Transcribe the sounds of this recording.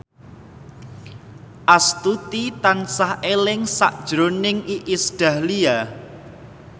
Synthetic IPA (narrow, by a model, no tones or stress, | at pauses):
ʔast̪ut̪it̪ansahelɪŋsa̰ʔd̥ʒ̥ɾonɪŋʔiʔɪsɖ̥a̤hlia